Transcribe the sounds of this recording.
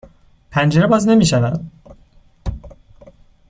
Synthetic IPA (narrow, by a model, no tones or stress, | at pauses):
pʰænd͡ʒeɾebɑznemiʃævæn